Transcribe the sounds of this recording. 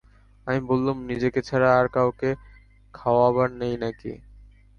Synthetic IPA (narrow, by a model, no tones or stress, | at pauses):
amibolːumnid͡ʑeket͡ɕʰaɾaaɾkawke | kʰaoaβaɾnejnakḭ